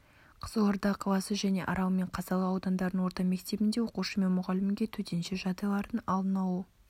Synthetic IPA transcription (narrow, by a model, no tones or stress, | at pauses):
qʰə̥zəloɾd̪ɑqʰɑlˠɑsəʒæne̞ʔɑ̰ɾɑwme̞ɴqʰɑzɑlˠəɑwd̪ɑnd̪ɑɾd̪ənwo̞ɾt̪ɑme̞kt̪e̞bɪnd̪e̞wo̞quʃəme̞nmʊʁɑlɪmɡʲe̞t̪ʰɵt̪ʰe̞nʃeʒɑd̪ɑlˠɑɾənɑlˠdənɑwə